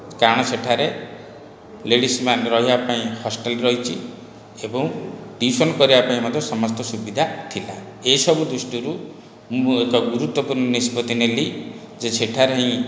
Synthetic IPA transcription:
kaɽ̃ɔt͡ʃʰeʈʰaɾe | leɽismanɾɔɦibapaĩhɔsʈelɾɔɦit͡ʃʰi | ebɔŋʈisɔnkɔɾibapaĩmɔd̪ʱɔsɔmɔst̪ɔsubid̪ʱat̪ʰila | esɔbud̪ɾusʈiɾu | mekɔɡuɾut̪wɔpuɾnɔnispɔt̪ineli | d͡ʒet͡ʃʰeʈʰaɾeɦĩ

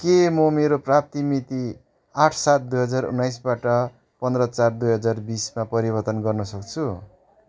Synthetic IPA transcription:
kemʌmeɾoprap̚t̪imit̪i | aʈʰsat̪̚d̪ujɦʌd͡zarṵnːajs̬baʈʌ | pʌnd̪ɾʌt͡sard̪ujɦʌd͡zarbismapʌɾibʌrt̪ʌnɡʌrnʌsʌkt͡sʰu

